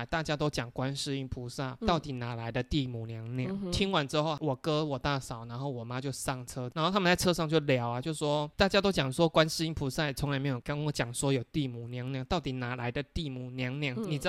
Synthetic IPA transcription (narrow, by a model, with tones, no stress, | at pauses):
t̪a˥˩t͡ɕja˥t̪o˥ʊt͡ɕjɑ˨˩ŋkwa˦nʂɻ̩˥˧i˥˩npʰu˧˥sa˥˩t̪ɑ˥˩ʊt̪i˨˩na˨˩la˧˦ɪd̪ə˧t̪i˥˩mu˨˩njɑ˨˦ŋnjɑ˥˩˦t̪ʰi˥ŋwa˧˦nʈ͡ʂɻ̩˥xo˥˧ʊwɔ˨˩kɤ˦wɔ˨˩t̪a˥˩sɑ˨˩˦ʊna˧˦nxo˥˩ʊwɔ˨˩ma˦˥t͡ɕjo˥˧ʊsɑ˥˩ŋʈ͡ʂʰɤ˥a˨˧nxo˥˧t̪ʰm˨˧t͡sa˥˧ɪʈ͡ʂʰɤ˥ʂɑ˥˧ŋt͡ɕjo˥˩ʊljɑ˨˥ʊɐ˦t͡ɕjo˥˧ʊ˩ʂwɔ˦˥t̪a˥˩t͡ɕja˥t̪o˥ʊt͡ɕjɑ˨˩ŋswɔ˦˥kwa˦˥nʂɻ̩˥˧i˥˩ŋpʰu˧˥sa˥˩˨t͡sʰŋa˧ɪme˧˥o˨˩ka˥ɔ˧˥˦t͡ɕjɑ˨˩ŋswɔ˧˥jo˨˩ʊt̪i˥˩mu˨˩njɑ˧˥ŋnjŋt̪ɑ˥˩ʊt̪i˨˩na˨˥la˧˦ɪd̪ə˧t̪i˥˩mu˨˩njɑ˧˥ŋnjɑ˥˩ŋni˨˩˥